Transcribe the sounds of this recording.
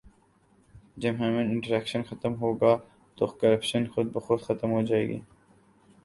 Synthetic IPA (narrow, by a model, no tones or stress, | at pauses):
d͡ʒɐbɦɛːmə̃nɪ̃ɳʈəɾɛːkʃənxɐt̪əmɦoːɡaː | t̪okɐɾɐpʃənxʊd̪̚bɐxʊd̪xɐt̪mɦoːd͡ʒaːḛːɡḭː